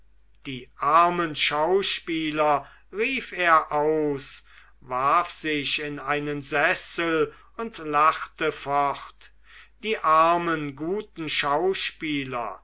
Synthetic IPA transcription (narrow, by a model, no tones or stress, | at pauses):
d̥iːʔaɐmənʃaʊʃpiːlɐ | ʁiːfeːɐʔaʊs | vaɐfz̥ɪʃɪnaɪnənzɛsəl | ʊntlaχtəfɔχt | d̥iːʔaʁɐmənɡuːtn̩ʃaʊʃpiːlɐ̰